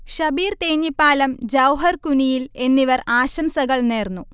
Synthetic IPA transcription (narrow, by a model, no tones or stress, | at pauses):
ɕɐbiːrt̪eːɲːipːaːlɐmd͡ʑɐwɦɐrkunijile̞nːiʋɐraːɕɐmsɐɣɐɭneːrnːu